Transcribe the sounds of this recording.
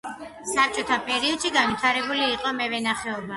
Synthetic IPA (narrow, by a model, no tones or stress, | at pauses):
sap̚t͡ʃʼɔt̪ʰapʼɛɾiɔd̪̥ʃiɡanvit̪ʰaɾɛbuliːqʼɔmɛvɛnaχɛɔba